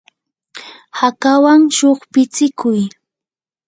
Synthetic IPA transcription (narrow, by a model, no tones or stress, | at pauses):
hakawaŋʃoχpɪt͡sɪkʊj